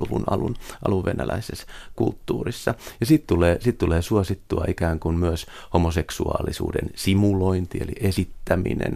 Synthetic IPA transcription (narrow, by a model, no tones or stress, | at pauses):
uʋunɑlunɑluʋʋenælæiseskult̪ːuːrisːɑjɑsiːt̪t̪uleːsiːt̪t̪uleːsuosit̪ːuɑikæːŋkunmyøs | homoseksuɑ̰ːlisṵːdḛnsimuloint̪ieliʔesit̪ːæmḭnḛn